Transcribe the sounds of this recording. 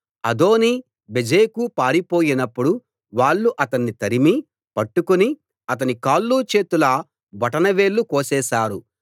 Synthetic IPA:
ɐd̪o̞ːni | bed͡ʒeːkupaːɾipoːjinɐpːuɽu | ʋaːɭːuʔɐt̪ɐnːit̪ɐɾimi | pɐʈːukuni | ɐt̪̬ɐnikaːlːuːt͡ʃe̞ːt̪ulɐ | bɐʈɐnɐʋeːɭːukoːsɛːʃaːɾu

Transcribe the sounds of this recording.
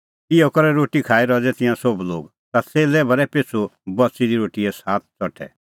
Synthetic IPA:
ɪjɔkɔɾɛɾoːʈikʰaːiɾɔd͡zɛt̪ɪ̃jãsɔblo̰ːɡ | t̪at͡seːlɛbɐɾɛpet͡sʰubɔsid̪iɾoːʈiɛsaːt̪̚ʰt͡sɔʈʰɛ̰

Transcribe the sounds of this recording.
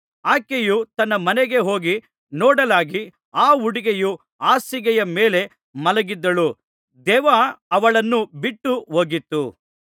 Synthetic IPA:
aːkejut̪ɐnːɐmɐneɡe̞ɦo̞ːɡi | nɔːɽɐlaːɡi | aːuɽiɡeju | aːsiɡɛjɐmeːle̞ | mɐlɐɡid̪ːɐɭu | d̪ɛːʋaɐʋɐɭɐnːubiʈːuɦoːɡit̪ːu

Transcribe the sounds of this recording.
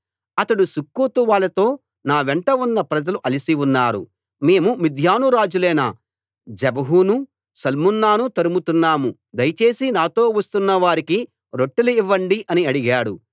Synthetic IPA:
ɐt̪ɐɽusukːuːt̪uʋaːɭɐt̪o̞ː | naːʋeɳʈɐunːɐpɾɐd͡ʒɐluʔɐlisiunːaːɾṵ | me̞ːmumid̪ʱjaːnuɾaːd͡ʒulɛːnɐ | d͡ʒɛbɐɦunu | sɐlmunːaːnut̪ɐɾumut̪unːaːmu | d̪ɐjɐt͡ʃe̞ːsinaːt̪o̞ːʋɐst̪unːɐʋaːɾiki | ɾo̞ʈːuluiʋːɐɳɖiʔɐniɐɽiɡaːɽṵ

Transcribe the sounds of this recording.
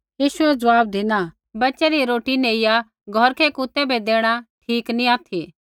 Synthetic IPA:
jiːʃʊɛd͡zɐʋaːb̚d̪ina | bɐtːt͡ʃɛɾiɾoːʈineːɪja | ɡʱɔɾkʰɛkut̪ɛbʱɛd̪eːɽ̃aʈʰiːknĩaːt̪ʰi

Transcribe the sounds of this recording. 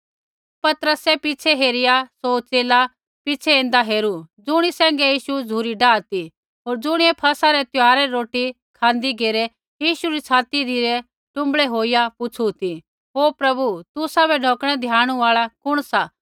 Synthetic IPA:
pɐt̪əɾəsɛpit͡ʃʰɛɦeːɾɪjasoːt͡seːla | pit͡ʃʰɛẽːnd̪aɦeːɾud͡zʊɽ̃isɛ̃ːŋɡɛjiːʃud͡zʱuːɾiɖaːt̪i | ɦoːɾd͡zʊɽ̃iɛpʰɐsaɾɛt̪ʊɦaːɾɛɾoːʈi | kʰãːnd̪iɡeːɾɛ | jiːʃuɾit͡sʰaːt̪id̪ʱiɾɛ | ʈʊ̃mbɭɛɦoːijapʊt͡ʃʰut̪i | ɦoːpɾɐbut̪ʊsabɛɖʱoːkɽ̃ɛd̪ʱjaːɽ̃uaːɭakʊɽ̃sa

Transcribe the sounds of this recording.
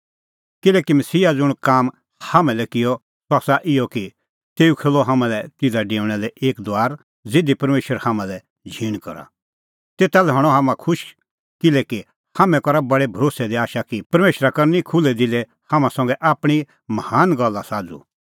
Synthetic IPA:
kɪlɛːkimɐsiːad͡zʊɽ̃kaːm | hamɛ̃lɛkɪjɔ | saːsaʔɪjɔki | t̪eːukʰeːlɔɦamãlɛt̪ɪd̪aɖẽːʊɽ̃ɛlɛʔeːkd̪waːɾ | d͡zɪd̪ipɐɾmeːʃəɾhamãlɛ | d͡ʒʱiːɽ̃kɐ̰ɾa̰ | t̪eːt̪alɛɦɐɽ̃ɔɦamãkʰʊʃ | kɪlɛki | hamɛ̃kɔɾabɐɽebʱɐɾoːsɛd̪iaːʃakipɐɾmeːʃɾakɐɾnikʰʊlɛd̪ɪlɛ | hãmãsɐ̃ŋɡɛʔaːpɽ̃i | mɐhaːnɡɐlːasaːd͡zṵ

